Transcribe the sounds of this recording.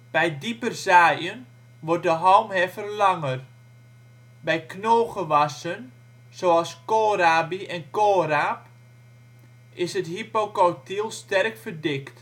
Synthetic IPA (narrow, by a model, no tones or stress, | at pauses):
b̥ɛjdipərzaːjən | ʋɔrt̚dəɦɔwmɦɛfərlɑŋər | bɛjknoːɣəʋasən | soːɑskoːɾaːbiɛnkoːraːp | ɪsəthipokɔwtilˠstɛrkfərdɪkt